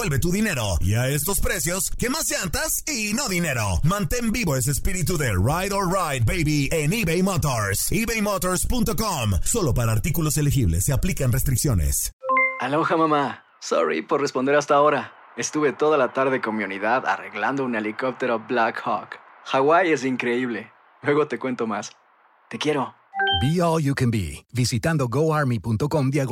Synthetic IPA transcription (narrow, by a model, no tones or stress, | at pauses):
welβe̞t̪uðine̞ɾo̞ḭae̞st̪o̞spɾe̞sjo̞skemazd͡ʒant̪as | ino̞ðine̞ɾo̰mãnt̪e̞mbiβo̞es̬espiɾit̪̬uðe̞rajðorajd̪̚bejβieniβejmot̪oɾsiβejmot̪oɾspunt̪o̞komso̞lo̞paɾaːɾt̪ikulo̞se̞lexiβlḛsːeaplikanrest̪ɾiksjo̞ne̞̰saloxamama | so̰ɾḭpoɾrespo̞nd̪eɾast̪aoɾa | est̪uβe̞t̪o̞ðalat̪aɾðekonmiuniðaða̰reɣland̪ounelikop̚t̪e̞ɾoblakxɔk | xaɣwaje̞s̬iŋkɾe̞iβle̞ | lwe̞ɣo̞t̪e̞kwe̞nt̪o̞mas | t̪e̞kje̞ɾo̞ | biɔljukɛ̃nbḭβisit̪and̪o̞ɣoaɾmipunt̪o̞ko̞md̪jaɣ